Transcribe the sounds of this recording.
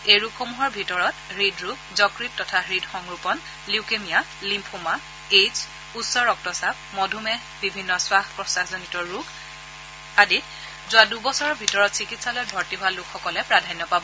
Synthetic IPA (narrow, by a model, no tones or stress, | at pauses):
ejɹukxomuɦɔɹbʱitɔɹɔtɹidʱɹuk | zɔkɹittɔtʰaɹidxɔŋɹupɔn | likemija | limpʰuma | ez | utsɔɹɔk̚tɔsap̚mɔdʱumɛ | bibʱinːɔswaxpɹɔsaxzɔnitɔɹukʰ | adit | zʊadubɔsɔɹɔbʱitɔɹɔtsikitsalɔjbʱɔɹtiɦʊalukʰxɔkɔlɛpɹadʱajnjɔpabɔ